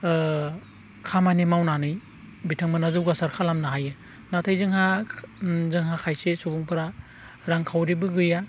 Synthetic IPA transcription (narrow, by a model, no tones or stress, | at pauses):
kʰamanimawnanɯj | bitʰɯŋmɯnazɯwɡasaɾkʰalamnaɦajɯ | natʰajzɯŋha | zɯŋɦakʰajsesubuŋpʰɯɾa | ɾaŋkʰawɾibɯɡɯja